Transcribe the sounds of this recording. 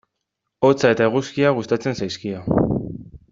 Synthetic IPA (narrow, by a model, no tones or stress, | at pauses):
o̞t͡sae̞t̪aeɣ̞uskiaɣ̞ust̪at͡se̞nsajskia